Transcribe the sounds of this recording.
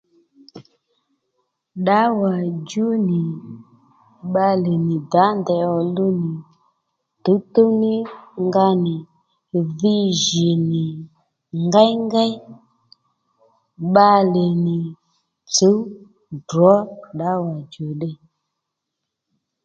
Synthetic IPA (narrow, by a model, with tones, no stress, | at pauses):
ɗa˨˦wa˨d͡ʒu˦ni˨ | ɓa˦le˨ni˨da˨˦ndɛ˨ɔ˨lu˦ni˨ | t̪u˨˦t̪o˦ni˦ŋɡa˦ni˨ | vi˦ʒi˨ni˨ | ŋɡa˦jŋɡa˦ | ɓa˦le˨nɪ˨ | t͡su˨˦ | dɔ˨˦ɗa˨˦wa˨d͡ʒu˨ɗe˦